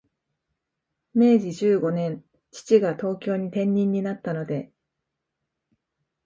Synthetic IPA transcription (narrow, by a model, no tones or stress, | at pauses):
me̞ːʑiʑɨːɡo̞nẽ̞n | t͡ɕi̥t͡ɕiɡat̪o̞ːkʲo̞ːɲ̟it̪ẽ̞ɲ̟ːĩɲ̟ːinat̪ːano̞d̪e̞